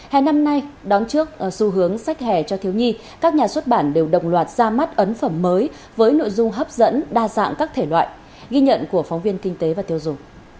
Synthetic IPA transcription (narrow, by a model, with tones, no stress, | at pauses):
hɛ̰˧˩na˧mna˧jɗɔ˨˦nt͡ɕɨ˦˥ək̚su˧˩ɦɨ˨˦əŋsa˦˥jk̟̚hɛ˧˨˩t͡ɕɔ˧t̪ʰi˨˦əwɲi˧ | kaː˦˥k̚ɲaː˨˩swə˦˥t̚ɓaː˧˩nɗe˨˩wɗə̰˧˨wŋ͡mlwaː˨˩t̚z̥aː˧ma˦˥t̚ʔə˨˦nfə˧˩mːəː˨˦j | vəː˨˦jno̰˧˨jzʊ˧ŋ͡mɦəː˦˥p̚zə̰˧˥nɗaː˧za̰ː˧˨ŋkaː˦˥k̚t̪ʰe˧˩lwa̰ː˧˨j | ɣi˧ɲə̰˧˨nku˧˩əfɔ˨˦wŋ͡mvi˧ənkï˧ŋ̟t̪e˨˦vaː˨˩t̪i˧əwzʊ˨˩ŋ͡m